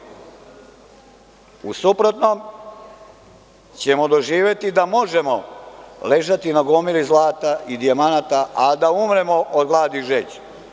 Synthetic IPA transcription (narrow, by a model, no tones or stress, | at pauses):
usupɾo̞t̪nom | t͡ɕe̞mo̞d̪oʒiːʋje̞t̪id̪amo̞ʒe̞mo̞le̞ʒat̪inaɡomilizlˠaːt̪aʔid̪iamanat̪aʔad̪aumɾe̞moʔod̪ɡlˠaːd̪iʒet͡ɕ